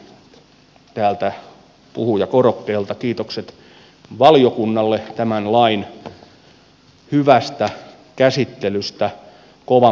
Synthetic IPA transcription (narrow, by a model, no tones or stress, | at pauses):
t̪æːlt̪æ | pṵhujɑkorokːeːlt̪ɑkiːt̪okset̪ | ʋɑljokunːɑlːet̪æmænlɑin | hyʋæst̪æ | kæsit̪ːelyst̪æ | koʋɑ